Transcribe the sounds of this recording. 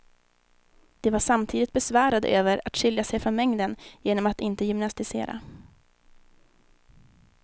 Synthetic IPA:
d̪̥ɛvaʂamt̪ʰiːd̪ɪt̪̚bɛsvæːɾad̪ə̰øːvəɾat̪ɕʏljasɛjfɾɔnmɛŋd̪ənjeːnɔmat̪ɪnt̪əjʏmnast̪ɪsḛːɾa̰

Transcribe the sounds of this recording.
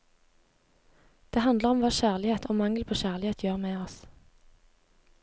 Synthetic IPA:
d̪̥eːhɑnd̪ləʁɔmʋɑːʃæːʁlɪheːt̪ʰoːmɑŋəlpʰoːʃæːʁlɪheːt̪ʰjøːʁmeːɔs

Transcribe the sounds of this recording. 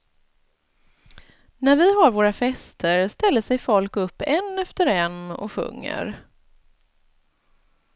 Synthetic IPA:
næɾvɪɦaɾvoːɾafɛst̪ʰəɾst̪ɛlːəʂɛjfɔlkɵpːɛnːɛft̪əɾɛnːɔ̰ɧɵ̰ŋːə̰ɾ

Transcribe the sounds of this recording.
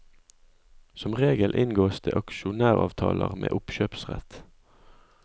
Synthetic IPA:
sɔmʁeːɡəlʔɪnɡoːst̪ʰeːʔɑkʃʊnæːʁɑ̰ːʋt̪ʰɑːlʔəʁmʔḛːʔʊpʃøːpsʁɛt̪

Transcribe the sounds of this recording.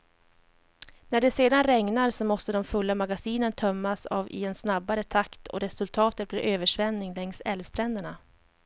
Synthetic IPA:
næɖɛseːd̪anɾɛŋnaɾsɔmɔst̪əd̪ɔmfɵlːamaɡasiːnənt̪ʰœmːasa̰ːvɪ̰ɛnsnabːaɾət̪ʰakt̪ʰɔ̰ɾɛsɵlt̪ʰɑːt̪ət̪̚blɪɾʔøːvəʂvɛnːɪŋlɛŋst̪ɛlvst̪ʰɾɛnd̪əɳa

